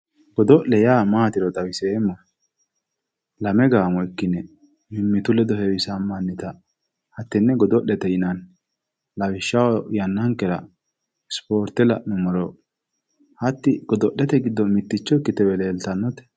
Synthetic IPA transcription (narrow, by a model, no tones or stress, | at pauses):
ɡɔd̪ɔʔɛjaːmaːt̪ɪɾɔt̪ʼɐwɪseːmːɐ | lɐmɛɡaːmɔɪkːɪnɛ | mɪmːɪt̪ʊlɛd̪ɔhɛwɪsɐmːɐnːɪt̪ɐ | hɐt̪ːɪnːɛɡɔd̪ɔʔːɛt̪ɛɪnɐn | lɐwɪʃːɐwjɐnːɐŋkːɛɾɐ̰ | spoːɾt̪ːɛlɐnʊmɔɾɔ | hɐt̪ːɪɡ̥ɔd̪ɔʔːɛt̪ɛɡɪd̪ːɔmɪt̪ːɪt͡ʃːɔɪkːɪt̪ɛwɛleːlt̪ɐnːɔt̪ɛ̥